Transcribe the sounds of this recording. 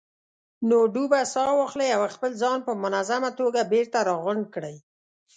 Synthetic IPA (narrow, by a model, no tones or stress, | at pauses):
noɖubasɑwɑxləjawaxpəlzɑnpəmʊnazamat̪oɡabeɾt̪aɾɑɣʊɳɖ̚kɽəj